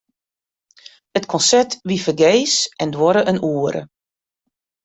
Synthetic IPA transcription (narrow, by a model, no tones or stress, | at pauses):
ətkʰɔnsɛtʋifərɡeːsɛndwɔɾəʔənuəɾə̰